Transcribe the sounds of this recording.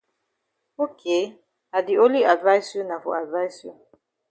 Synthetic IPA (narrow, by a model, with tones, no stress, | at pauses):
o˦kʰe˨˦ | a˨di˨o˦li˦a˨dva˦jsjo˦na˨fo̰˨a˨dva˦jsjo˦